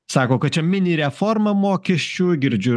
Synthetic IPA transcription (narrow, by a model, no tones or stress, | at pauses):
sɑːkoːkɐt͡ʃʲɛmʲɪnʲiɾʲɛfɔɾmɐmoːkʲɛʃʲt͡ʃʲuːɡʲɪɾʲd͡ʒʲu